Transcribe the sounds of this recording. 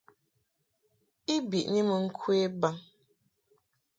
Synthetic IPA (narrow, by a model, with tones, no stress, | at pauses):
i˦bi˨ʔni˦mə˨ŋ̩˦kʰwe˦ba˦ŋ